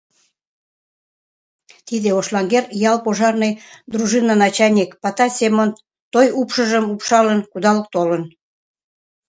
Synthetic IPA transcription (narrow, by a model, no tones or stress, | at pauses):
t̪id̪eoʃlɑŋɡerjɑlpoʒɑrnɤjd̪ruʒɨnɑnɑt͡ɕɑnʲekpɑt̪ɑsʲemon | t̪ojupʃəʒəmupʃɑlənkud̪ɑlək̚t̪olən